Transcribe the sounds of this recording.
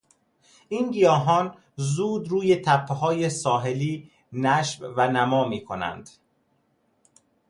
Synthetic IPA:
ʔiːnɡijɒːɦɒːn | zuːd̪ɾuːje̞t̪ʰæpʰːeɦɒːjesɒːɦe̞liː | næʃvvænæmɒːmiːkʰonæ̰nd̪̥

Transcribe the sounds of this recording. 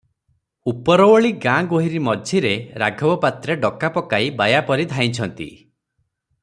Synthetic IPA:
upɔɾɔwɔɭiɡãɡoɦiɾimɔd͡ʒʱiɾeɾaɡʱɔbɔpat̪ɾeɖɔkapɔkaibajapɔɾid̪ʱaj̃t͡ʃʰɔnt̪ḭ

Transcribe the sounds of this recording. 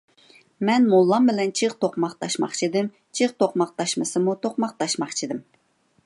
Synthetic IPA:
mɛnmolˠːɑmbɪlɛnt͡ʃʰiqt̪ʰoqmɑqt̪ʰɑʃmɑ̰χt͡ʃʰid̪ɪm | t͡ʃʰiqt̪ʰoqmɑq̚t̪ʰɑʃmɨsɨmut̪ʰoqmɑq̚t̪ʰɑʃmɑχt͡ʃʰid̪ɨm

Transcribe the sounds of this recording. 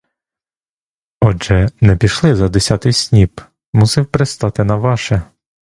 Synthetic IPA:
ɔd͡ʒɛnɛpʲiʃlˠɪzɐd̪esʲɑt̪ɪjsʲnʲib | musɪwpɾest̪ɑt̪ɪnɐʋɑʃɛ

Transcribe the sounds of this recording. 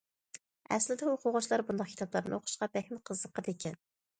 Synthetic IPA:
ɛ̰slɪd̪ɛuqʰʊʁʊt͡ʃlˠɑɾbund̪ɑχ̚kʲʰi̥t̪ɑplˠɑɾnɨ̰oqʰʊ̥ʃqɑbɛxʲmɪqʰəzːəqːəd̪ekʲʰɛn

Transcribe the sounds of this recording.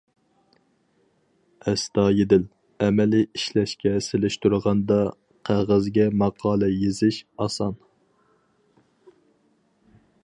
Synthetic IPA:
ɛst̪ɑːjed̪ɪl | ɛmɛliiʃlɛʃkʲɛselɪʃt̪uɾəʁɑnd̪ɑ | qʰæʁəzɡʲɛmɑqʰɑːlˠɛjezɪʃɑsɑn

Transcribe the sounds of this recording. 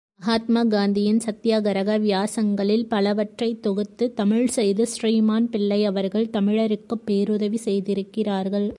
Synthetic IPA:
mɐɦaːt̪maːɡaːnd̪ɪjɪnsɐt̪ːjaːɡɐɾɐɣɐʋjaːsɐŋɡɐɭɪlpɐlɐʋɐʈrɐɪt̪ːɔɣɯt̪ːɯt̪ɐmɪɻsɛjðɯsriːmaːnpɪɭːɐɪɐʋɐɾɣɐɭt̪ɐmɪɻɐɾɯkːɯpːeːɾʊðɐʋisɛjðɪɾɯkːɪraːɾɣɐɭ

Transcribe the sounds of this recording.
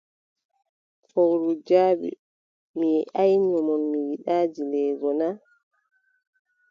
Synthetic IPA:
fɔwɾud͡ʒaːɓḭ | miʔajɲɔmɔnmiwiɗaːd͡ʒilɛːɡɔna

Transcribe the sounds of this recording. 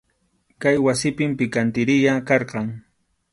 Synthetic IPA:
kajwasɪpɪmpɪkant̪ɪɾɪʎakɑɾqɑŋ

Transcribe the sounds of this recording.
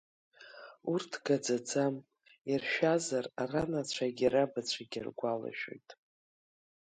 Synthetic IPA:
urtʰɡad͡zad͡zam | irʃᶣazararanat͡ɕʷʰaɡʲaɾabat͡ɕʷʰaɡʲa̰rɡʷala̰ʃᶣo̰jtʼ

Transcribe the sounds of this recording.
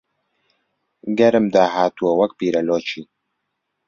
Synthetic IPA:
ɡɐɾɨmd̪aːɦaːt̪uwɐwɐkpiːɾɐloːt͡ʃʰi

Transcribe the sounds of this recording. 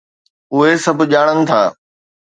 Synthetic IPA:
ʊɦesɐbʱʄaːɽ̃ənɪ̆t̪ʰaː

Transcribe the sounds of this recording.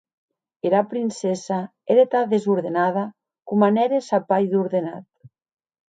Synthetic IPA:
eɾapɾinsɛsa | eɾet̪aðezuɾðenað̞a | kumanɛɾesapajðuɾðena̰t̪̚

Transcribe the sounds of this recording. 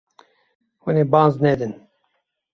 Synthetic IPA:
wɛneːbaːnznɛd̪ɨn

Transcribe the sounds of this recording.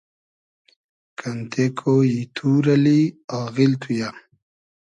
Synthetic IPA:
kant̪ekʰojit̪ʰuɾɐliaːɣilt̪ʰuja

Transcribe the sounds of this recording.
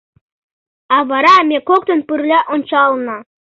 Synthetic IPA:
ɑβɑɾɑmʲekok̚t̪ə̆npɯrlʲæʔont͡ɕɑlˠnɤ̆

